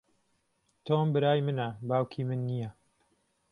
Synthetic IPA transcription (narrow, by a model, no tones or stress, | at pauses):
t̪ʰoːmbɨɾaːjmɨnɐbaːwkʰiːmɨnːijɐ